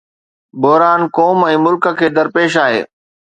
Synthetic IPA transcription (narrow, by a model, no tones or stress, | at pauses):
bɔɦɾaːnkɔːmɛ̃ːmʊlkə̆kʰeːd̪ɐɾpeːʃaːɦḛː